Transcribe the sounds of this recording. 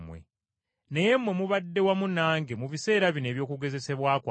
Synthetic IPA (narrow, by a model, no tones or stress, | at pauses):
mwḛ | nejemwe̞muβadːe̞wamunaːŋɡemuβise̞ːɾaβine̞ːβjo̞ːkuɡe̞ze̞se̞βwaːkwa